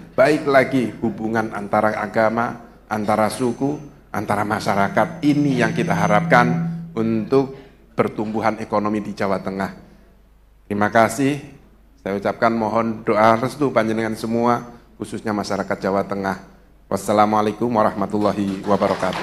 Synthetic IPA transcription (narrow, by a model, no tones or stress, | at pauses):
b̥aɪklaɡihubuŋana̰nt̪aɾaʔaɡama | ʔant̪aɾasuku | a̰nt̪aɾamaʃaɾakat̪̚inijaŋkit̪aɦaɾap̚kanunt̪ʊk̚ | b̥ərt̪umbuɦanekonomidid͡ʒawat̪əŋah | t̪əɾimakasɪh | sajaut͡ʃap̚kanmɔɦɔndoʔarəst̪ubaɲənəŋansəmuakususɲamaʃaɾakat̪̚d͡ʒ̥awat̪əŋah | wʔa̰sːalamalekʊmwaɾahmat̪ulːaɦiwabaɾɔkat̪u̥